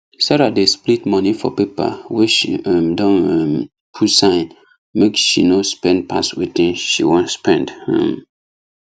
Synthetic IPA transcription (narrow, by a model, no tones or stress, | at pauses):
saɾadesplitmɔnifɔ̰pepa̰weʃḭamdɔ̃nm | pʰutsãɪ̃n | mekʃinospɛ̃nd̚pʰaswetĩnʃḭwɔ̃nspɛ̃ndhɛ̰m